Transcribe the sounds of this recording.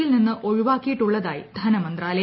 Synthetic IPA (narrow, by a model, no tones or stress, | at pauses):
ilninːɨʔoɻuʋaːkːijiʈːuɭːɐðaːjḭd̪ʱɐnɐmɐnd̪raːlɐ